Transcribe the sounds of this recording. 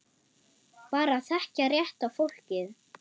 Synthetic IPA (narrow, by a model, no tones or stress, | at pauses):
paːɾaθɛhcarjɛht̪afowl̥cɪð